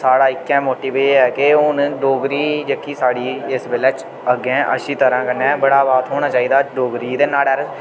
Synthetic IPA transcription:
saːɽaːɪkːɛ̃ːmoːʈiːʋeːɛːkɪʊnɖoːɡɾiːd͡ʒəkʰːiːsaːɽiːɪsbeːlɛːt͡ʃ | əɡẽːʔə̰ʃiːt̪əɾãːkənɛ̃ːbəɽaːbaːt̪ɦoːɽ̃aːt͡ʃaːiːd̪aːɖoːɡɾiːd̪eːnaːɽɛːɾ

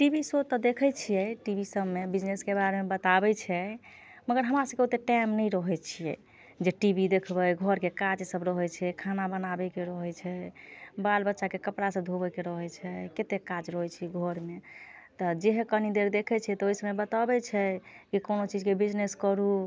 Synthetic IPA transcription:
ʈibisot̪ɔd̪ekʰɛt͡ʃʰijɛʈibisəbmebid͡ʒneskebaɾemebət̪abɛt͡ʃʰɛ | məɡəɾɦəmɾasəbkeot̪eʈɛmnəjɾəɦɛt͡ʃʰijɛ̰ | d͡ʒeʈibid̪ekʰbəjɡʱɔɾkekad͡ʒsəbɾəɦɛt͡ʃʰɛkʰanabənabɛkeɾəɦɛt͡ʃʰɛbalbətːʃakekəpɽasə̃d̪ʱobɛkeɾəɦɛt͡ʃʰɛket̪ekad͡ʒɾəɦɛt͡ʃʰiɡʱɔɾmet̪ɔd͡ʒeɦekənid̪eɾd̪ekʰɛt͡ʃʰɛɛt̪oisəbebət̪abɛt͡ʃʰɛkikonot͡ʃid͡ʒkebid͡ʒneskəɾu

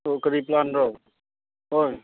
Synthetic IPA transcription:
okəɾiplanɾəo | ɦoj

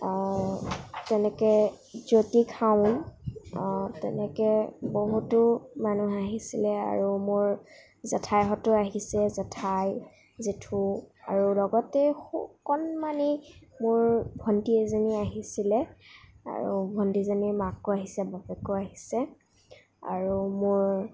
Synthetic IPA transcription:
tɛnɛkɛ | zotikʰaʊn | tɛ̰nɛkɛboɦutʊmanuɦaɦisilɛa̰ɹumʊɹ | zɛtʰajɦɔtʊaɦisɛzɛtʰaj | zetʰua̰ɹulɔɡɔtɛxukɔnmanimʊɹbʱɔntiɛzaniaɦisilɛ | a̰ɹṵbʱɔndizanimakːʊaɦisɛbabɛkoaɦisɛ | a̰ɹumʊɹ

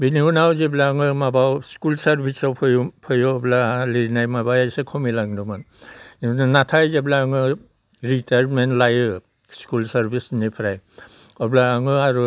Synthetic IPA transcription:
biniunawzeblaŋɯmabawskulsaɾbʱisawpʰɯjpʰɯjɔɔblaliɾinajmabawajsekʰɔmilaŋduman | inanatʰajzeblaŋɯ | ɾitajɾmentlajɯ | skulsaɾbʱisnipʰɾaj | ɔblaːŋɯaɾu

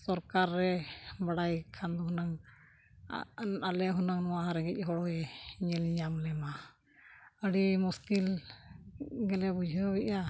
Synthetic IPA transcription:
sɔɾkaɾːɛbaɽajkʰand̪uɦunaŋ | alɛɦunaŋnɔwaɦaɾɛɡɛc̚ˀɦɔɽɔɛɲɛlɲamlɛma | əɽimuskil | ɡɛlɛbud͡ʒʱəbɛʔa

